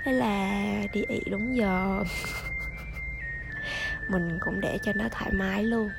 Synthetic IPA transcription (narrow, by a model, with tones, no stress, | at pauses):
ə˨˦laː˨˩ɗi˨˩ʔḭ˧˩˦ɗʊ˨˦ŋ͡mzəː˨˩ | mï˨˩ŋ̟kʊ̰˧˥wŋ͡mɗe˧˩t͡ɕɔ˧nɔ˨˦t̪ʰaː˧˩jmaː˨˦jlu˧ən